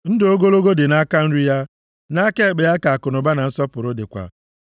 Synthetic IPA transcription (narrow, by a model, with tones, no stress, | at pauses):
n̩˦do˦ɡo˦lo˦ɡo˦dɪ˨na˦ka˦n̩˦ɾi˦ja˦ | na˦ke˦˨ɡ͡be˨ja˦ka˨a˨kʊ˨nʊ˨ba˦na˨n̩˦sɔ˦pʊ˨ɾʊ˦dɪ˨kʷa̰˨